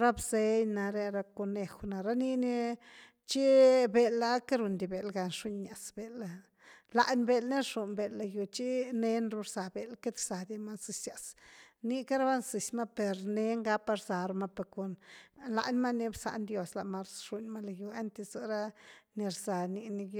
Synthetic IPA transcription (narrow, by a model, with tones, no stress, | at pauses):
ɾa˦bze˧jna˧ɾe˧ɾa˧ko˧ne˧xna˨ɾa˦ni˧ni˧ | t͡ʃi˦be˧la˦ka˦ɾu˨nd̪i˨be˨lɡa˧nʂu˦ɲːa˨sbe˨la˧ | la˨ʔnbe˧lne˦ɾʂu˨nbe˨la˧ju˧t͡ʃi˦ne˧˦nɾu˧ɾz̥a˨be˨lke˦d̪ɾz̥a˨d̪i˧ma˦nzi˧sja˨sni˧ka˦ɾa˦ba˦nzi˨sma˦pe˨ɾne˦ŋɡa˦pa˦ɾza˨ɾma˦pe˨ko˨nla̰˨ʔnma˦ni˧bsa̰˨nd̪jo˧sla˨ʔma˧ɾʂu˧nma˦la˨ju˧a˦nt̪e˧za˧ɾa˦ni˧ɾza˨ni˧ni˧˦